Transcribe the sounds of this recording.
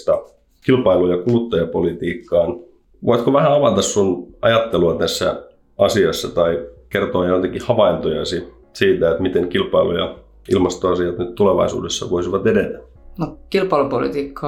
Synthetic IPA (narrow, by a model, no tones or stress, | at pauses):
t̪ɑ | kilpɑilujɑkulut̪ːɑjɑpolit̪iːkːɑːn | ʋoit̪koʋæhæɑʋɑt̪ɑssunɑ̰jɑt̪ːeluɑt̪æsːæ̰ | ɑsiɑsːɑt̪ɑikert̪oɑjoit̪ɑkihɑʋɑint̪ojɑsi | siːt̪æet̪mit̪eŋkilpɑilṵjɑ̰ | ilmɑst̪oɑsiɑt̪nyt̪t̪uleʋɑ̰isṵːdesːɑ̰ʋoisiʋɑt̪edet̪æ | nokilpɑilupolḭt̪iːkːɑː